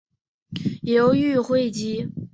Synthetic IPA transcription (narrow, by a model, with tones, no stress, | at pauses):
jo˧˥ʊy˥˧xwe˥˩ɪt͡ɕi˥